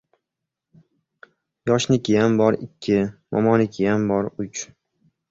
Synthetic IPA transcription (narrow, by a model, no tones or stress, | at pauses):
jɒʃnɪkʲɪjambɒɾɪkʲʰːɪmʔɒ̰mɒnɪkʲʰɪjambɒɾʊt͡ʃ